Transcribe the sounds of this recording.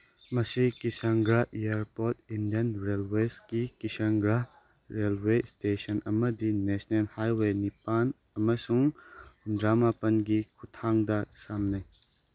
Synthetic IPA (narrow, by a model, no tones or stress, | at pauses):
mɐsikisaŋɡɾaejaɾpoɾt̚indijɐnɾelweskikisaŋɡɾa | ɾelwestesɐnɐmɐdinesnelhajwenipan | ɐmɐsuŋ | dɾamapɐnɡikʰutʰaŋdɐsamnaj